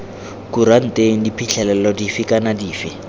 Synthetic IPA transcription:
kuɾan̩tʼeŋ̩dipʰiɬʰɛlɛlɔdifɪkʼanadiːfɪ

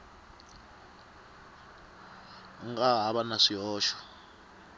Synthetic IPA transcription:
ŋkʼaɦaɓanaʂijɔːʃɔ̥

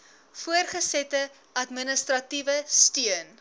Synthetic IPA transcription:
fuərχəsɛtə | ɐtmənəstrɐtivəstyən

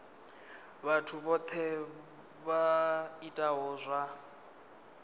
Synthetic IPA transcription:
βatʰuβɔt̪ʰɛ | βaitʼaɦɔːzʷwa

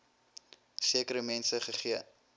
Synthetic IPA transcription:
siəkəɾəmɛnsəχəχiə

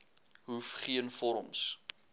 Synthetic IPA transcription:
ɦufχiənfɔɾɔms

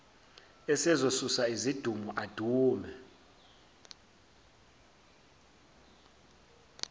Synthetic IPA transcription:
ɛsɛzosusaizid̥ʱumuʔad̥ʱuːmɛ

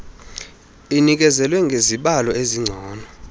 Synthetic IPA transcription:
inik̬ɛzɛlwɛŋɡʱeziɓalɔeziŋ͡ǀʱɔːnɔ

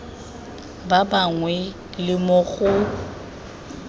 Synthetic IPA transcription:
babaŋwɛ | lɪmʊɣʊ

